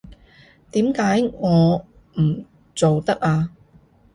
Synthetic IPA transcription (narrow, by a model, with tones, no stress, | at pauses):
t̪iː˨˥mkaː˨˥jŋɔː˨˧ | m̩˨˩ | t͡so˨wt̪ɐ˥k̚aː˧